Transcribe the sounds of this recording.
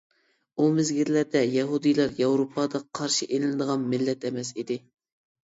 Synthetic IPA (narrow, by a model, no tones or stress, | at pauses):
umɪzɡʲiɾlæɾd̪ɛjɑɦud̪ijlˠɑɾjɑwɾopʰɑd̪ɑqʰɑɾʃiʔenɪlɨd̪əʁɑnmɪlːɛt̪ɛmɛsid̪ɪ